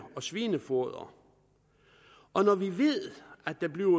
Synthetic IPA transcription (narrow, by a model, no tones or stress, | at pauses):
ɒ̽sʋiːnəfoɐð̰ˠɐ̰ | ʔɒ̽nɒʋiʋe̝ð̰ˠæ̥d̥ɑ̈bliʊ